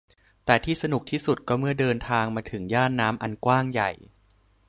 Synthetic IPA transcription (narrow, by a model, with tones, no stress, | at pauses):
t̪ɛː˨˩t̪ʰiː˥˩sa˧nu˨˩k̚t̪ʰiː˥˩su˨˩t̪̚kɔː˥˩mɯ˥˩ɐdɤː˧nt̪ʰaː˧ŋmaː˧t̪ʰɯ˩˦ŋjaː˥˩nːaː˦˥mʔa˧nkwaː˥˩ŋja̰˨˩j